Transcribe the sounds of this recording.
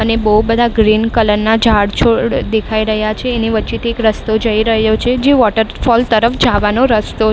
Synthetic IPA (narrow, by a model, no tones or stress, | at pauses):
ənebəɦubəd̪ʱaɡɾinkələɾnad͡ʒʱaɽt͡ʃʰod̪ekʰaiɾəɦjat͡ʃʰeːniʋətːʃit̪ʰiekɾəst̪od͡ʒəiɾəɦjot͡ʃʰed͡ʒeʋɔʈəɾfɔlt̪əɾəfd͡ʒaʋanoɾəst̪o